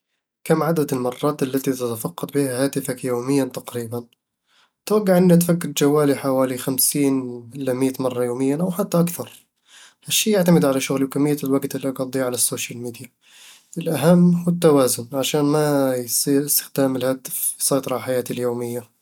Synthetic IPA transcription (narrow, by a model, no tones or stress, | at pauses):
kamːʕad̪ad̪ɪlmɑrˤːɑːt̪ʔalːat̪it̪at̪afɑqːɑt̪ˤbiːhahaːt̪ɪfakjoːmɪjːant̪aqɾiːban | t̪waɡːaʕʔɪnːat̪fakːɪɾd͡ʒawːaːliħawaːlixamsiːnʔɪlːamiːt̪mɑrˤːɑjoːmɪjːanʔawħat̪ːaʔakθɑɾˤ | haʃːiːjaʕt̪amɪd̪ʕalaʃʊɣliwkamːɪjːalwaɡt̪ɪlːiʔɑɡɑd̪ˤiʕalasːoːʃalmiːd̪ɪja | ʔɪlʔaɦamːhuɪt̪ːawaːzʊnʕaʃaːnmajsˤiːɾɪst̪ɪ̥xd̪aːmɪlhaːt̪ɪ̥fsˤɑjt̪ˤɑɾˤɑlħajaːt̪iljoːmɪjːa